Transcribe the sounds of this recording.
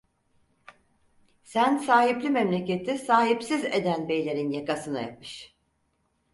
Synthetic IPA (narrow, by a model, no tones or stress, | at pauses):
sænsaːɦiplʲimɛmlʲe̞ce̞t̪ʰisaːɦipsized̪ænbe̞jlʲe̞ɾinjakasɯna̰ja̰p̚mɯʃ